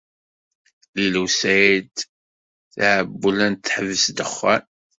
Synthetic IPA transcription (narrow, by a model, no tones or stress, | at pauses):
lilusæjd̪ | θaʕəbːəlænt̪ːħəvəsd̪əχːæn